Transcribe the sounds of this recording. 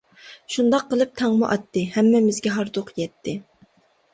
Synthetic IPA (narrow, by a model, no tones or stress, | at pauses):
ʃund̪ɑqːəlˠɨp̚t̪ʰɑŋmʊʔɑt̪ːɨhɛmːɛmɪzɡʲɛɦɑɾd̪oqjɛt̪ʰːɪ